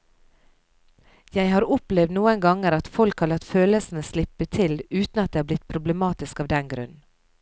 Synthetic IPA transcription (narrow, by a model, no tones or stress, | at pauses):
jæɪhɑːɾʊplɛʋd̪nuːəŋɡɑŋəɾɑt̪fɔlkhɑɾɭɑt̪føːləsn̩əslɪpət̪ʰɪlʉːt̪n̩ɑt̪d̪eːhɑːblɪt̪pʰɾʊbləmɑːt̪ɪskɑːʋd̪ɛnɡɾʉ̰n